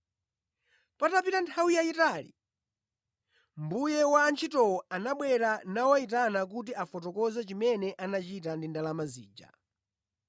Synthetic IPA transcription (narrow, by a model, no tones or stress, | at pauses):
patapitantʰawijaitalḭ | mbujɛwaːnt͡ʃʰitɔwɔanaɓwɛɾanawait̬anak̬ut̬iafɔtɔkɔzat͡ʃimɛnɛʔanat͡ʃitandindalamazḭːd͡ʒa̰